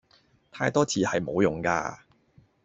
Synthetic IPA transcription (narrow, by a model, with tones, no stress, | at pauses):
t̪ʰaː˧jt̪ɔː˥t͡sʰiː˨˧hɐ˨jmo˨˧wjʊ˨ŋka̰ː˧